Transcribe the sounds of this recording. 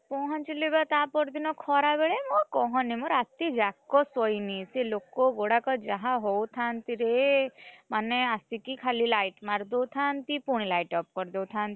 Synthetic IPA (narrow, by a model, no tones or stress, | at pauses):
pɔ̃ɦãnt͡ʃilebat̪apɔɾd̪inɔkʰɔɾabeɭemɔ̃kɔɦɔ̃nimɔ̃ɾat̪id͡ʒakːɔsɔjniselokɔɡoɽakɔd͡ʒaɦãɦowt̪ʰant̪iɾe | maneasikikʰalilajʈmaɾd̪ɔwt̪ʰant̪ipuɽ̃ilajʈɔp̚kɔɾd̪ewt̪ʰant̪i